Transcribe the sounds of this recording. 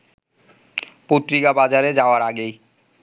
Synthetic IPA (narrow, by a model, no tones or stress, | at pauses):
pot̪ɾikabad͡ʑaɾed͡ʑaoaɾaɡej